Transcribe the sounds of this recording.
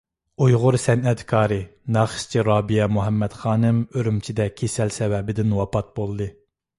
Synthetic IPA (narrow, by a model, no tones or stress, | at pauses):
ujʁʊɾsɛnɛt̪kʰɑːɾɨnɑχʃt͡ʃʰiɾɑːbijɛmuɦɛmːɛt̪χɑːnɨmøɾymt͡ʃʰid̪ɛkʲʰesɛlsɛwɛbɪd̪ɪnwɑpʰɑt̪̚bolˠɨd̪ɨ